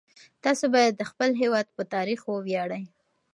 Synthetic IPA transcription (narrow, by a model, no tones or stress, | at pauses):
t̪ɑsobɑjad̪ːəxpəlɦewɑd̪̚pət̪ɑɾixwəwjɑɽaj